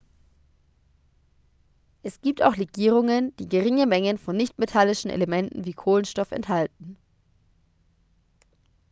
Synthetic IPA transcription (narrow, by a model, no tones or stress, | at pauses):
ʔɛsɡ̥iːp̚ta̰ʊxʁeɡiːʁ̞ʊŋənd̥iːɡəʁɪŋəmɛŋənfɔnːɪçtmetʰalɪʃn̩ʔḛlemɛntn̩viːkʰoːlənʃtɔfɛ̰nthaltn̩